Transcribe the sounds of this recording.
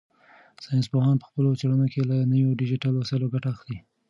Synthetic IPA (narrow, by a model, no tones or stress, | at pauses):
sɑjnspohɑnpə̥xpəlot͡seɽanokelanəwjoɖɪd͡ʒiʈɑlosaloɡaʈaaxt̪i